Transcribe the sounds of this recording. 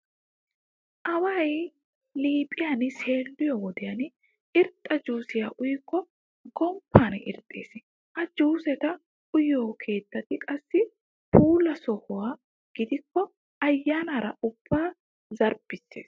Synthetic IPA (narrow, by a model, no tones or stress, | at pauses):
ʔɐwɐj | liːpʼɪjanɪse̞ːlːɪjɔwɔd̪ɛjɐn | ɪɾt̪ʼːɐd͡ʒuːsɪjaːʔʊjɪkːɔ | ɡɔmpʰːaːnɪ̰ɾt̪ʼːḛːs | hɐd͡ʒuːsɛt̪ɐ | ʔʊjoːkʰe̞ːt̪ːɐt̪ɪkʼɐsːɪ | pʰuːlɐsɔhʊwaː | ɡ̥ɪd̪ɪkːɔ | ɐjːaːnɐɾɐ̰ʊb̥ːaː | zɐɾb̥ɪsːḛːs